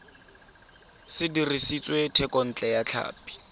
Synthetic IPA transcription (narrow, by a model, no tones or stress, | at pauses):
sɪdirisit͡sʼwetʰɛkʼɔn̩t͡ɬʼɛjat͡ɬʰa̰ːpi̥